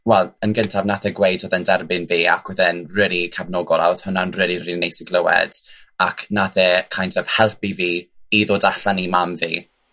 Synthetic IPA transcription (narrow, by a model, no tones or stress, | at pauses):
wɛlˠənɡəntʰavnaθɛɡwejdʊðɛndɛrbɪnviːa̰kʰwɛðɛnrɪːlikʰavnɔːɡɔlˠawð̥hʊnanrɪːlirinejsɪɡlˠəwɛ̰d̥akʰnaθɛkʰajntɔv̥hɛlˠpiviːiðoːdaɬanimamviː